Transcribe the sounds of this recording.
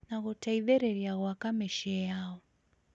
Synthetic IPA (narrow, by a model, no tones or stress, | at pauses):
naɣɔtaiðɛɾɛɾjaɣwakamɛʃɛjaɔ